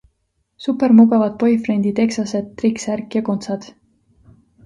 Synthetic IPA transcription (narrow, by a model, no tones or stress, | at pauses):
supːˑe̞ɾmuɡɑvɑd̪̥̚po̞jfre̞nd̪̥it̪e̞ksɑse̞d̪̚ːriksærkjɑko̞nt̪sɑd̪̥